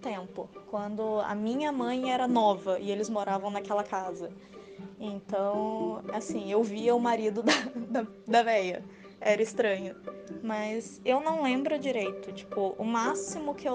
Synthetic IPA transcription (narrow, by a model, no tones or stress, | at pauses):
t̪ẽmpʊkwɐ̃nd̪ʊɐ̰mĩɲɐmɐ̃j̃ɛɾɐnɔvɐʔɪelɪzmoɾavɐ̃w̃nɐkɛlɐkazɐ | ẽnt̪ɐ̃w̃ɛasĩewviɐʊmaɾid̪ʊd̪ɐd̪ɐ | d̪ɐvɛjɐ | ɛɾɐɪst̪ɾɐ̃ɲʊmɐzewnɐ̃w̃lẽmbɾʊd͡ʒiɾejt̪ʊt͡ʃi̥pʊʔʊmasimʊkɪew